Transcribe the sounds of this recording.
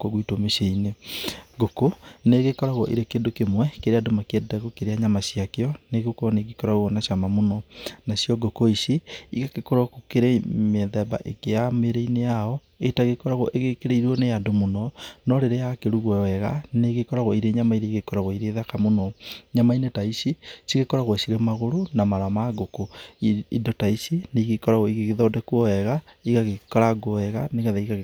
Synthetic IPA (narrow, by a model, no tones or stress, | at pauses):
koɣuitomeʃeineɡokoneɣekɔɾaɣwɔʔiɾekeːndokemwɛkeɾeadomakedaɣokeɾeaɲamaɕjakeɔneɣukɔneɣikɔɾaɣoɣɔnaʃamamonɔnaɕjɔɡokoiʃeiɣakekoɾɔkukeɾemeðɛba̰ʔekeameɾeinejaɔ | etaɣekɔɾaɣɔ̰ʔeɣekeɾeiɾɔneadomonɔnɔɾeɾejakeɾuɣwɔɛɣa̰neɣekɔɾaɣoiɾeɲamaiɾeiɣekɔɾaɣoiɾeðakamonɔɲamainetaisisiɣekɔɾaɣwesiɾemaɣoɾonamaɾamaɡokoidotaisineiɣekɔɾaɣoiɣeɣeðɔːdɛkwɔɛɣa | iɣaɣekɔɾaɡoɛɣaneɣaðaiɣa